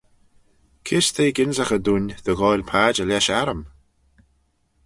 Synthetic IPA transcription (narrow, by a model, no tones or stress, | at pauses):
kʰɪst̪ʰeːɡɪnzəxəd̪unðəɣɔjlpʰaːd͡ʒəlʲɛʃaɾəm